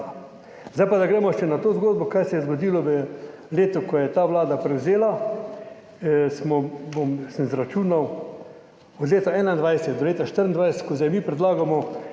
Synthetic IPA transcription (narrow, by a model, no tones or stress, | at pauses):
zdajpad̪aɡɾɛːmɔʃɛnat̪oːzɡoːd̪̚bɔkajsɛjɛzɡod̪iːlɔʋə | leːt̪ʊkɔjɛt̪aːʋlaːd̪apɾɛwzeːla | smɔbomsənzɾat͡ʃuːnaw | ɔd̪leːt̪aɛːnaind̪ʋajsɛt̪̚d̪ɔleːt̪aʃt̪əɾənd̪ʋajsɛt̪̚kɔzajmiːpɾɛd̪laːɡamɔ